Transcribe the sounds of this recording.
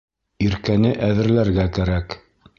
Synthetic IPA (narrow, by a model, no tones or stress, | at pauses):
iɾkænɘʔæðɘ̆ɾlæɾɡækæɾæk